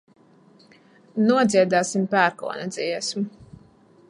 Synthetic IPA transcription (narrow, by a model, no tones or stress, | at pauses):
nuɔd̪zʲiɛd̪aːsimpæːɾkɔ̰ːnɛd̪zʲiɛsm